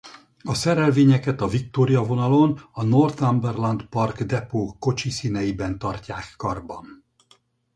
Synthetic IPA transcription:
ɒsɛɾɛlveːɲɛkɛt̪ɒvikt̪oːɾijɒvo̞nɒlo̞nɒno̞rt̪ambɛrlɒnd̪pɒrkd̪ɛpoːko̞t͡ʃisiːnɛjibɛnt̪ɒrcaːkːɒrbɒ̰n

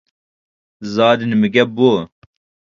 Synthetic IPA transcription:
zɑːd̪inmiɡɐboː

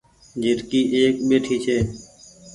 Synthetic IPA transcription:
d͡ʒɪɾkiːʔeːkɓeːʈʰiːt͡ʃʰeː

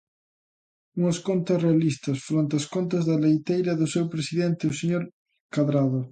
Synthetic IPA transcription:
uŋɐskont̪ɐsrealist̪ɐsfɾont̪easkont̪ɐzðɐlejt̪ejɾɐðosewpɾesiðent̪euseɲoɾ | kaðɾað̞o

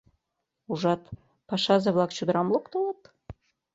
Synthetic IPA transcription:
uʒɑt̪ | pɑʃɑzɤvlˠɑkt͡ɕud̪ɾɑmlˠokt̪olˠɑt̪

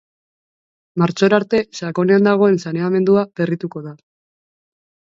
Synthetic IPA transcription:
maɾt͡ʃo̞ɾaɾt̪e̞sako̞ne̞and̪aɣ̞o̞e̞nsane̞ame̞nd̪uaperit̪uko̞ða

